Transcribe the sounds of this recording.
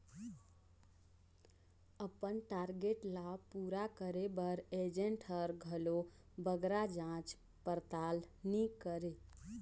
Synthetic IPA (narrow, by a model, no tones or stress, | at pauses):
əpənʈaɾɡeʈlapuɾakəɾebəɾed͡ʒeɳʈəɾɡʱəlo | bəɡɾad͡ʒãt͡ʃ | pəɾt̪al | nikəɾe